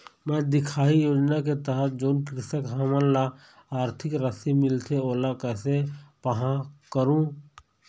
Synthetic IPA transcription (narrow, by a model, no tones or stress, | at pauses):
mɛ̃d̪ɪkʰaːijoːd͡ʒnaket̪əɦət̪̚d͡ʒoːnkɾɪsəkɦəmənla | aːɾt̪ʰɪkɾəsimɪlt̪ʰeoːlakɛːsepəɦãkəɾũ